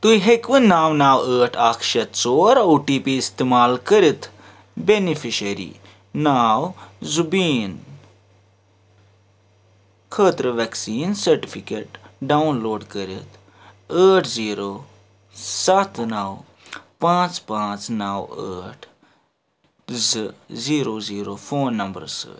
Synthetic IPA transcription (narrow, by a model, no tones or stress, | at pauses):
t̪uiɦekʋənːaːwnaːwəːʈʰaːkʰʃɐt̪t͡soːɾoːʈiːpiːst̪emaːlkəɾit̪ʰ | benifʰiʃəɾḭː | naːwzubiːn | kʰəːt̪ɾəʋɛksiːnsɐɾʈipʰikeːʈɖaːunloːɖkəɾɪt̪ʰ | əːʈʰziːɾoː | sɐt̪ʰnaw | pãːt͡ʃpãːt͡ʃnawə̰ːʈʰ | ziːɾoːziːɾoːpʰoːnːɐmbə̰ɾsə̰ː